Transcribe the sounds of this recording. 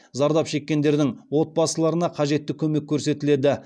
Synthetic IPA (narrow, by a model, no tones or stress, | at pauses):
zɑɾd̪ɑpʃe̞kʲːe̞nd̪e̞ɾd̪ɪŋwo̞t̪̚bɑsəlˠɑɾənɑqʰɑʒe̞t̪ːɪkʲʰɵme̞kʲʰːɵɾse̞t̪ɪle̞d̪ɪ